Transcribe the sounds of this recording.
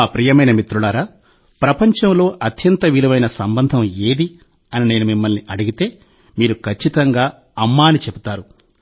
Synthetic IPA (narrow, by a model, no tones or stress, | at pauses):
aːpɾiːjɐmɐjnɐmit̪ɾulaːɾaː | pɾɐpɐɲt͡ʃɐmlo̞ːʔɐt̪jɐnt̪ɐʋilɐʋɐjnɐsɐmbɐnd̪ʱɐmeːd̪i | ɐnine̞ːnumimːɐlniʔɐɽuɡit̪e̞ː | miːɾukʰɐt͡ʃːit̪ɐŋɡaː | ɐmːaːnit͡ʃebut̪aːɾu